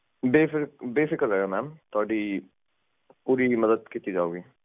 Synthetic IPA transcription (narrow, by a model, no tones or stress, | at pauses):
beːfɪbeːsɪkəɾɦɛːɡamɛːmt̪ʊaːɖi | puːɾimɐd̪əd̪̚kit̪ːid͡ʒaːoːɡiː